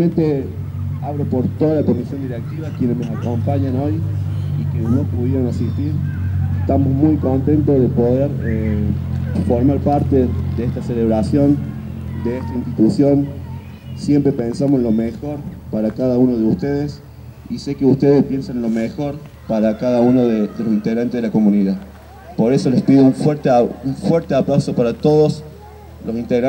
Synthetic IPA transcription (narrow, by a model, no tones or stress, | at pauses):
mẽnt̪e | aβɾopo̞ɾt̪o̞ðalako̞misjo̞nd̪iɾek̚t̪iβakjenemesako̞mpaɲano̞j | ikeno̞puðjeɾonasist̪iɾeht̪amozmujko̞nt̪e̞nt̪ozðepoðeɾe | foɾmaɾpaɾt̪ed̪eeht̪aseleβɾasjo̞nd̪eest̪ainst̪it̪usjo̞n | sjempɾepensamosenlo̞mexo̞ɾpaɾakaðaunoð̞eust̪eð̞es | ise̞keust̪eðespje̞nsanlo̞mexo̞ɾ | paɾakaðaunoðeðelo̞sint̪eɣɾant̪eðelako̞mũniða | po̞ɾeso̞lespiðouɱfweɾt̪euɱfweɾt̪eaplawso̞paɾat̪o̞ðos | losint̪eɣɾa